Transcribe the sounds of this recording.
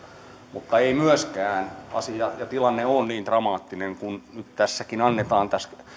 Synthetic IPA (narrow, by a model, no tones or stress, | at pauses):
mut̪ːɑeimyøskæːnɑ̰sijɑjɑt̪ilɑnːeonniːnt̪rɑmɑːt̪ːineŋkunnyt̪t̪æsːækinɑnːet̪ɑːnt̪æs